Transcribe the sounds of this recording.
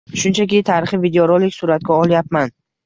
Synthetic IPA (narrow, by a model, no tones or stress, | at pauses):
ʃʊnt͡ʃʰakʲit̪ʰaɾɪχɪvid̪eoɾolˠɪkʲsʊɾat̪̚kʲaɒlˠjapman